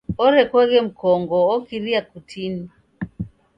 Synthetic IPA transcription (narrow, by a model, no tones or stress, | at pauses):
ɔɾɛkwɛɣɛm̩kɔŋɡɔːkiɾiakutʰin